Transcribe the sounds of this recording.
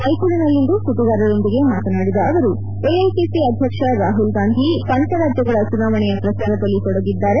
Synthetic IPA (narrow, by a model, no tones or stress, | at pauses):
ɐjkuɭinɐlːind̪usuʈiɡ̪aːɾɐɭond̪iɡe̞maːt̪ɐnaːɽid̪ɐːʋɐɾu | eɐjkesiɐd̪ʱjɐkʂɐɾaːɦulɡaːnd̪ʱisɐnt̪ɐɾaːd͡ʒjɐɡɐɭɐt͡ʃunaːʋɐɳɛjɐpɾɐsaːɾɐd̪ɐlːit̪ɔɽɐɡid̪ːaːɾe̞